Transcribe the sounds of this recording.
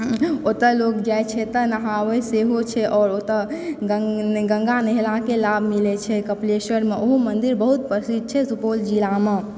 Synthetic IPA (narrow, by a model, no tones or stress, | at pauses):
ot̪əlokd͡ʒajt͡ʃʰɛt̪ənəɦaʋəseɦot͡ʃʰɛʔɔːɾot̪əɡɡə̃ŋɡaneɦlakelabʱmilɛt͡ʃʰɛkəplesəɾmeʔoɦumənd̪iɾbəɦut̪̚pɾəsid̪̚t͡ʃʰɛsupold͡ʒilame